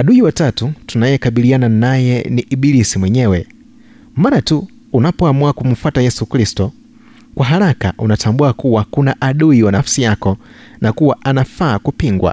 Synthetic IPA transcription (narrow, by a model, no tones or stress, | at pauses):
aɗuiwatatutunajɛkaɓilijananajɛniʔiɓilisimwɛɲɛwɛ | maɾatu | unapɔamuakum̩fwatajɛsukɾistɔ | kwaɦaɾaka̰ʔunatʰambuakuwakunaʔaɗuiwanafsijakɔ | nakuwaʔanafakupiŋɡwa̰